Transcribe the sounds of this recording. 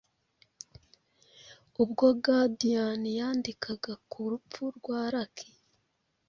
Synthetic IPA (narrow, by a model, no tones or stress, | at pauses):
ubɡobɡadijanijaːndikʰaɡakʰuɾupp͡fuɾɡwaːɾakʰi̥